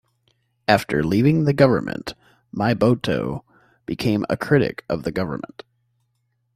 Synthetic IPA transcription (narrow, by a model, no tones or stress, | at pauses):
æftʰə̰˞livɪ̃ŋðɨɡʌvə̰˞mʔɨ̰̃nʔ | maɪboʊtʰoʊ | b̥ɨkʰẽɪ̃mə̰kʰɹ̥ɪɾɨ̰kʌvðɨɡʌvə̰˞mə̃nt